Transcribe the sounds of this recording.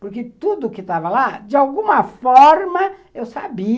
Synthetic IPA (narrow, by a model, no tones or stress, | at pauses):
poɾket̪ud̪ʊkɪt̪avɐlad͡ʒɪawɡũmɐfɔɾmɐewsabi